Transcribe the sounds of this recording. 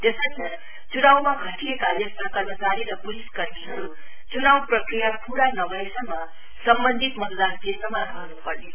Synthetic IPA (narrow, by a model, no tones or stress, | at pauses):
t̪esəsʰʌ | t͡sunaw̃maɡʱəʈʰiekabjʌst̪ʰakʌɾməsaɾiɾʌbuɾiskʌɾniɦʌɾu | t͡ʃunawprʌkɾijapuɽanʌbəjsʌmːʌ | sʌmbənd̪ʱit̪mʌt̪d̪ankend̪ɾʌmaɾʌɦnupʌɾli